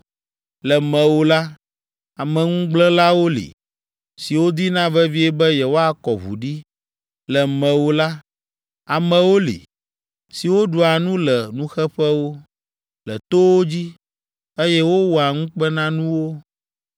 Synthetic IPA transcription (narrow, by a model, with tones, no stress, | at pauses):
lɛ˨mɛ̃˨wo˦la˦ | a˨mɛ̃˨ŋũ˦ɡ͡blɛ̃˦la˦wo˦lḭ˨ | si˨wo˦d̪i˦nã˦vɛ˦vi˦ɛ˦bɛ˦jɛ˨wo˦a˦˨kɔ˨βṵ˨ɖi˦ | lɛ˨mɛ̃˨wo˦la˦ | a˨mɛ̃˨wo˦lḭ˨ | si˨wo˦ɖu˨a˨nũ˦lɛ˨nũ˦xɛ˦ɸɛ˦wo˦ | lɛ˨t̪o˦wo˦d͡ʑi˦ | e˦jɛ˦wo˦wɔ˨a˨ŋũ˦k͡pɛ˦nã˦nũ˦wo˦